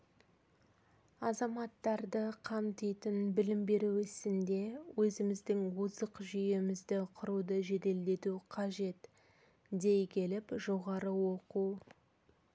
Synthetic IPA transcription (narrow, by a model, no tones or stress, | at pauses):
ɑzɑmɑt̪ːɑɾd̪əqʰɑmt̪ijt̪ənbɪlɪmbe̞ɾuɪsɪnd̪e̞wɵzɪmɪzd̪ɪŋwuzəqʒʏjemɪzd̪ɪqʰʊɾud̪əʒe̞d̪e̞ld̪e̞t̪uqʰɑʒe̞t̪ | d̪e̞jkʲʰe̞lɪpʒo̞ʁɑɾəwoquw